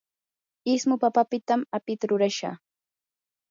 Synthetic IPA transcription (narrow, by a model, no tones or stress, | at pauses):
ɪsmʊpapapɪt̪amapɪt̪aɾʊɾaʃa̰